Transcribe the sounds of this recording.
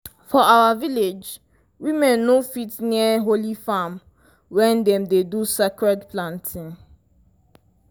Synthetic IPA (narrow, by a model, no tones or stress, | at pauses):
fɔawaviled͡ʒ | wimɛ̃nːofitniəɦolifam | wɛ̃ndɛ̃mdedusekɹɛdplãntʰĩn